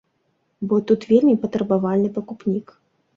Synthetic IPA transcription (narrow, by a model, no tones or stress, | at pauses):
bɔt̪ut̪vʲelʲmʲipɐt̪ɾɐbavalʲnɨpɐkupnʲik